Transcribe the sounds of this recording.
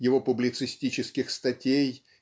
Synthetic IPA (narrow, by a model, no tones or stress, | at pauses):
jɪvo̞pʊblʲɪt̪sɨsʲtʲit͡ɕɪskʲɪxst̪ɐtʲej